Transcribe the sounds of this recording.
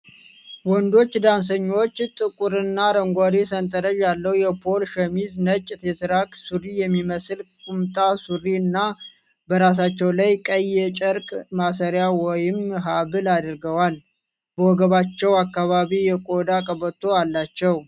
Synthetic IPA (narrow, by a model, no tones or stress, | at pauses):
wɔnd̪o̞t͡ʃːd̪ans̬əɲːot͡ʃːt̪ʼɨkʼuɾɨnːaɾəŋɡʷaɾesənt̪ʼəɾəʒjalːəwjɛpʰo̞lʃɛmiznət͡ʃʼːt̪ʰet̪ʰɾakʼsuɾijɛmːiməsɨlkʼumt̪ʼasuɾiɨnːa | bəɾas̬at͡ʃːɛwlajkʼəjːɛt͡ʃʼəɾkʼmasəɾjawɔjɪmɦaβɨlad̪ɨɾɡəwal | bəwɔɡəβat͡ʃːɛwakːaβaβijɛkʼod̪akʼəβət̪ʰʼːo̞alːat͡ʃːɛw